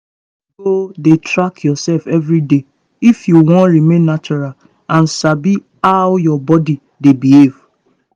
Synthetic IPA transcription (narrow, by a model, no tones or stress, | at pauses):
ɡodetɾakʰjɔsɛlfɛvɾide | ifjuwɔ̃nɾimẽnːat͡ʃɔɹal | ãn̩sabi | awjɔbɔdi | debiev